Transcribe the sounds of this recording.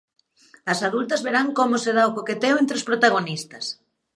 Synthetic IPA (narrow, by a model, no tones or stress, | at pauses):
ɐsaðult̪ɐzβeɾaŋkomoseðaokoket̪eoẽnt̪ɾospɾot̪aɣ̞onist̪ɐs